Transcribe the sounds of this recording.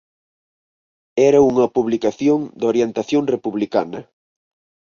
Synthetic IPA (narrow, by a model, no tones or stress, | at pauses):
ɛɾɐuŋɐpuβlikaθjoŋd̪oɾjent̪aθjoŋrepuβlikanɐ